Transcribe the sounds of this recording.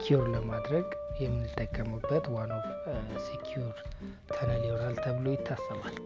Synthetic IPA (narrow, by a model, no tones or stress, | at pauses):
kʰiuɾləmad̪ɾəɡjɛmːɨnːɨt̪ʼːəkʼːəmɨbːət̪wanofsekʰjuɾ | t̪ʰənənioɾalt̪ʰəβlojɪt̪ʰːasːəmal